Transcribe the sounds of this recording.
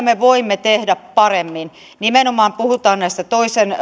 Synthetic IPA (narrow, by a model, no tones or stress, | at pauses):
meʋoimːet̪ehdæppɑremːin | nimenomɑːmpuhut̪ɑːnnæist̪æt̪oisen